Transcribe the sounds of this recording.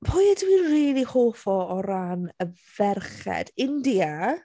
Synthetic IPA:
pʰʊjɛdwiːnriːlˠihoːfɔɔɾanəvɛrχɛ̰d̥ɪndia

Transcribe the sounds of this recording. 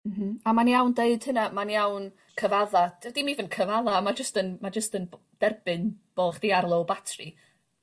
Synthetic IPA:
m̩m̥m̩amanijawndeɨd̥hɨnamanjawn | kʰəvaðad̥ɛvdimivənkʰəvaðamad͡ʒəstənmad͡ʒəstən | d̥ɛrbɨnb̥oːχd̥iarlˠowbatʰri

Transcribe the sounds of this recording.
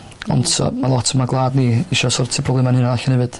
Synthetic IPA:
ɔ̰ntʰsɔ̰malˠɔtʰəmaɡlˠaːdniːiʃɔsɔrtʰipʰɔblɛmanɪnaðaɬɔnhɛvɨd̥

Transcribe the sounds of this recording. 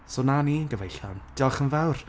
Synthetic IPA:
sonaninɡəvejɬa̰nd̥ialˠχənvawr

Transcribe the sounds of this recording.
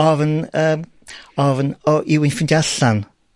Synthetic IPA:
ɔvənəːm | ɔvnɔʔɪwɪnfɪndjaɬan

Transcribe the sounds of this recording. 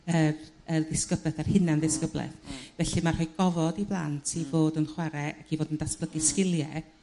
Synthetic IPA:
ər | əðɪskəblˠɛθar̥hɪnandɪskəblˠɛ̰θvɛɬimar̥hɔjɡɔvɔdiblˠa̰ntʰivoːdənχwaɾɛakʰivoːdəndasb̥ləɡiskɪlˠjɛ

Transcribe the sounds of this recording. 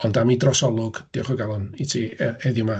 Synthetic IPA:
ɔndamidrɔsɔlˠʊɡ̥d̥iɔχwɛɡalˠʊnitʰiːɛɾɛðjʊma

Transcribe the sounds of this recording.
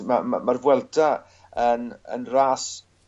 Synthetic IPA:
mama̰marvwɛlˠda | ənə̰nraːs

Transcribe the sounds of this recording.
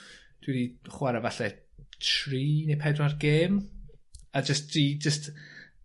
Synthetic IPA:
d̥wiɾiχwaɾɛvaɬɛ | tʰriːnejpʰɛdwarɡeːm | ad͡ʒəstrid͡ʒəst

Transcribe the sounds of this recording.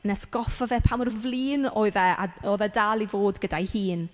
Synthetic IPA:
nɛsɡ̥ɔfɔvɛpʰamɔrvliːnoːɨðɛʔa̰oːðɛdalˠivoːdɡədajhiːn

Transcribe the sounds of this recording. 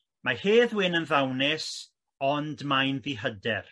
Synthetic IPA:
maheːðwɪnənðawnɪs | ɔndmajnðiɦədɛr

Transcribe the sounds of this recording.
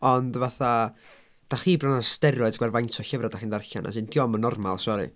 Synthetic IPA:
ɔndvaθa | d̥aχiːbrɔnastɛɾɔɨdɡwɛrvajntʰɔɬəvradaχindarɬa̰nʔa̰sɨnd̥jɔmənɔrma̰lˠsɔɾḭ

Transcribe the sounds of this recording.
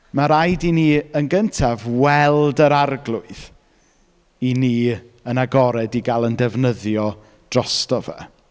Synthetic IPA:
maɾajdiniːənɡəntʰavwɛlˠdəɾarɡlˠʊɨð | iniː | ənaɡɔɾɛdiɡalˠəndɛvnəðjɔ | d̥rɔstɔvɛ̰

